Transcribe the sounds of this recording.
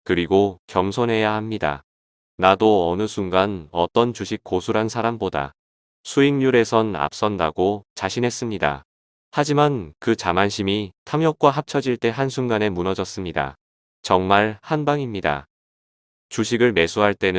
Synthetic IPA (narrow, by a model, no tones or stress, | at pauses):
kɯɾiɡokjʌmsʰonɦe̞jahamɲida̰ | nadoʌnɯsʰuŋɡanʌt͈ʌnt͡ɕuɕʰik̚k͈osʰuɾɦansʰaɾamboda̰ | sʰuiŋɲuɾe̞sʰʌna̰p̚s͈ʌndaɡot͡ɕaɕʰinɦe̞s͈ɯmɲida̰ | had͡ʑimankɯt͡ɕamanɕʰimitʰamjʌk̚k͈waɦap̚t͡ɕʰʌd͡ʑiɭt͈e̞ɦansʰuŋɡane̞munʌd͡ʑʌs͈ɯmɲida̰ | t͡ɕʌŋmaɭhanbaŋimɲida̰ | t͡ɕuɕʰiɡɯɭme̞sʰuɦaɭt͈e̞nɯ